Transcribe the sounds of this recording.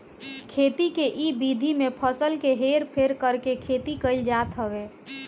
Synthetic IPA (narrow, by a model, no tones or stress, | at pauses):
kʰeːt̪ikeʔibid̪ʱimepʰəsəlkeɦeɾpʰeɾkəɾkekʰeːt̪ikəɪld͡ʒaːt̪ɦəwe